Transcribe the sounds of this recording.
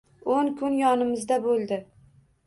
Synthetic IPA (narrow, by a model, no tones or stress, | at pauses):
onkʰʊnjɒnɪmɪzd̪abolˠd̪ɪ